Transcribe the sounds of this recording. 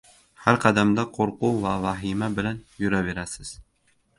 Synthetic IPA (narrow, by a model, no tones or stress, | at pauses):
haɾqʰɑd̪amd̪aqʰoɾqʊvavaɦimabɪlanjʊɾabe̞ɾasɪz̥